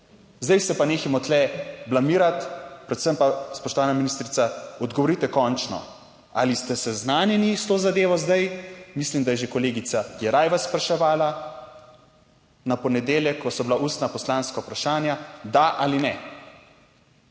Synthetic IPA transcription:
zd̪ajsɛpaneːximɔt̪lɛblamiːɾat̪pɾɛt̪səmpaspɔʃt̪ɔʋaːnaminist̪ɾit̪saɔd̪ɡɔʋɔɾit̪ɛkɔnt͡ʃnɔ̰ | a̰list̪ɛsɛznaːnjɛnist̪oːzad̪eːʋɔzd̪ajmislimd̪ajɛʒekɔleːɡit̪sajɛɾajʋaspɾaʃɛʋaːla | napɔnɛd̪eːljɛkːɔsɔbilaʔuːst̪napɔslaːnskaupɾaʃaːnjad̪aʔalinɛ

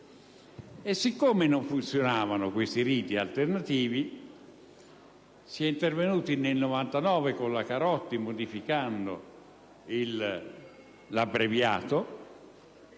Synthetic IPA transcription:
esːikːomenoɱfunt̪sjonaːvanʊkwest̪iɾiːt̪ia̰lt̪ernat̪iːvi | siɛint̪ervenuːt̪inelnovant̪anɔːvekonlakaɾɔt̪ːimod̪ifikand̪o̰ | il | abɾevja̰ːt̪o

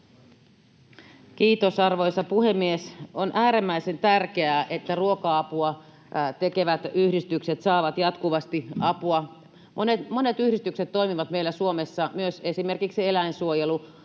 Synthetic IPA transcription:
kiːt̪osɑrʋojsɑpuhemːiesonʔæːɾemːæisent̪ærkeæːʔet̪ːæruokɑɑpuɑ | t̪ekeʋæt̪yhdist̪ykset̪sɑːʋɑt̪jɑt̪kuʋɑst̪iɑpuɑ | monetmonet̪yhɾist̪ykset̪t̪ːo̞imiʋɑt̪meilːæsuomesːɑmyøse̞sime̞rkiksielæinsuojelu

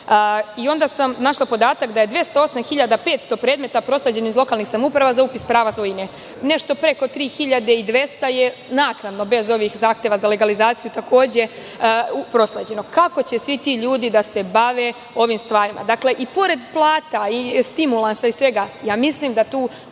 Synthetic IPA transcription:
io̞nd̪asamnaʃlˠapo̞d̪aːt̪akd̪ajed̪ʋje̞st̪ao̞samxiʎad̪ape̞t̪st̪o̞pɾe̞ːd̪me̞t̪apɾo̞sled͡ʑe̞nizlo̞kaːlˠnixsamupɾaʋazaupispɾaːʋasojine | ne̞ʃt̪o̞pɾe̞ko̞t̪ɾiːxiʎad̪e̞id̪ʋe̞st̪ajenaːknad̪no̞be̞zo̞ʋixzaːxt̪jeʋazale̞ɡalizaːt̪sijut̪ako̞ːd͡ʑe̞ | upɾo̞sled͡ʑe̞no̞kako̞t͡ɕesʋit̪iːʎuːd̪id̪ase̞baʋe̞ | o̞ʋimst̪ʋaːɾimʔa̰d̪akle̞ʔipo̞ɾe̞d̪plˠaːt̪aist̪imulˠansaisʋe̞ɡajaːmisliːmd̪at̪uː

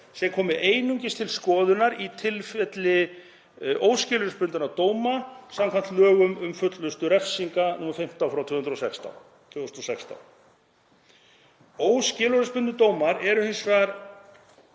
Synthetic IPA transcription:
sɛkʰɔːmɪʔeːjnuɲcɪst̪ʰɪlskɔːðʏnaɾit̪ʰɪlfɛt̪lɪ | ʔoːwscɪlʏɾʏspʏnt̪ʏnat̪oːwmasamkʰant̪lœːɣʏmʏmfʏt̪lʏst̪ʏɾɛfsiŋkanumaɾfɪm̥t̪awfɾawt̪ʰʏːhʏnɾɔosɛkst̪a̰w | t̪ʰʏnɾɔsɛkst̪a̰w | oːwscɪːlʏɾʏspʏnt̪ʏt̪oːwmaɾɛɾʏhɪnsvɛaɾ

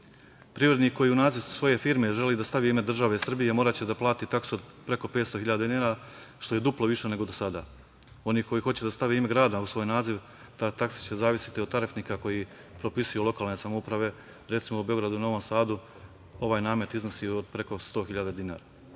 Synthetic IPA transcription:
pɾiʋɾe̞d̪niko̞jiːunaːziʋsʋo̞je̞fiːɾme̞ʒe̞lid̪ast̪aʋiime̞d̪r̩ʒaʋeisr̩bije̞mo̞ːɾat͡ɕe̞d̪aplˠaːt̪it̪aksuod̪ | pɾe̞ko̞pe̞ːt̪st̪o̞xiʎad̪ad̪inaɾaʃt̪o̞je̞d̪uplˠoʋiʃe̞ne̞ɡo̞d̪osad̪a̰ː | o̞niːko̞jiːxo̞t͡ɕed̪ast̪aʋeime̞ɡɾaːd̪ausʋo̞ːjnaːziʋ | t̪at̪aksi̥t͡ɕezaːʋisi̥t̪iod̪t̪aɾefniːkako̞ji | pɾo̞pisujulˠo̞kaːlˠne̞samoupɾaʋe̞ | ɾe̞t̪simoube̞o̞ɡɾad̪uno̞ʋo̞msaːd̪u | o̞ʋaːjnaːme̞t̪izno̞siːod̪̚pɾe̞ko̞st̪o̞ːxiʎad̪ad̪inaːɾa

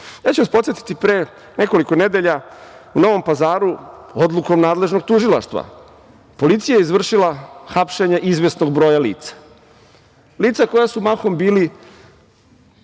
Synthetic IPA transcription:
jaːt͡ɕuaspo̞t̪jet̪i̥t̪ipɾe̞ː | ne̞ko̞liko̞ne̞d̪e̞ʎauno̞ʋo̞mpazaːɾuod̪lˠukomnaːd̪le̞ʒno̞ɡ̚t̪uʒilˠaʃt̪ʋa̰ | po̞lit̪sijajeizʋr̩ʂilaxapʃe̞ɲeʔizʋe̞sno̞ɡbɾo̞ːjalḭːt̪sḁ | liːt̪sako̞jasumaxo̞mbiːli

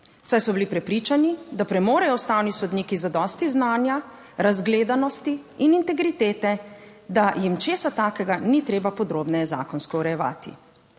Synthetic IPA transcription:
sajsɔbilipɾɛpɾiːt͡ʃanid̪apɾɛmoːɾɛjɔwst̪aːwnisɔd̪niːkizad̪ɔst̪iznaːnja | ɾazɡleːd̪anɔst̪iːnint̪ɛɡɾit̪eːt̪ɛ | d̪ajimt͡ʃeːsat̪aːkɛɡanit̪ɾeːbapɔd̪ɾoːbnɛjɛza̰ːkɔnskɔuɾɛjɛʋa̰ːt̪ḭ

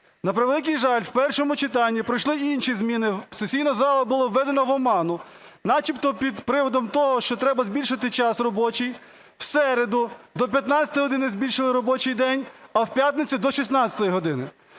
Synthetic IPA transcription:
nɐpɾɪʋelˠɪk̬ijʒɑlʲwpɛrʃɔmʊt͡ʃɪt̪ɑnʲːipɾɪjʃlˠɪinʃizmʲinɪsesʲijnɐzɑlˠɐbʊlˠɔʋːɛd̪enɔʋɔmɑnʊ | nɑt͡ʃipt̪ɔpʲid̪pɾɪʋɔd̪ɔmt̪ɔɦɔʃt͡ʃɔt̪ɾɛbɐzʲbʲilʲʃɐt̪ɪt͡ʃɑsrɔbɔt͡ʃij | wsɛɾed̪ʊd̪ɔp̬ʲjɐt̪nɑt͡sʲɐ̥t̪jɦɔd̪ɪnɪzʲbʲilʲʃɪlˠɪɾɔbɔt͡ʃɪjd̪ɛnʲɐwpʲjat̪ʲnet͡sʲid̪ɔʃisnɑɐ̥t̪ɔjiɦɔd̪ɪnɪ

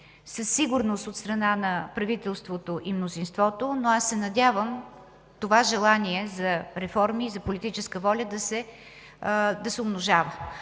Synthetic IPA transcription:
səsːiɡʊɾnost̪ot̪st̪ɾɐnanɐpɾɐvit̪ɛlˠst̪vot̪oʔimnozinst̪vɔt̪onoasːɛnɐd̪ʲjavəm | t̪ovaʒɛlˠaniɛzɐɾɛfɔɾmizɐpolit̪it͡ʃɛskəvɔlʲəd̪ɐsɛ | d̪ɐsɛʊmnoʒavə

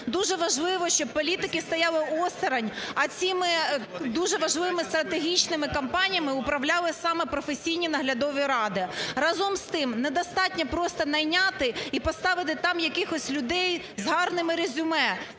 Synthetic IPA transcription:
d̪uʒɛʋɐʒlˠɪʋɔʃt͡ʃɔb̚pɔlʲit̪ɪkɪst̪ɐjɑlˠɪɔst̪ɪɾɐnʲɐt͡sʲimɪd̪uʒɛʋɐʒlˠɪmɪst̪ɾɐt̪eɦʲit͡ʃnɪmɪkɐmpɑnʲijɐmɪʊpɾɐwlʲɑlˠɪsɑmɛpɾɔfesʲijnʲinɐɦlʲɐd̪ɔʋʲiɾɑd̪ɪɾɑzɔmst̪ɪmnɛd̪ɐst̪ɑtʲnʲɐpɾɔst̪ɐnɐjnʲat̪ɪipɔst̪ɑʋɪt̪̬ɪt̪ɑmjɐkɪxɔsʲlʲʊd̪ɛj | zɦɑrnɪmɪɾezʲʊmɛ

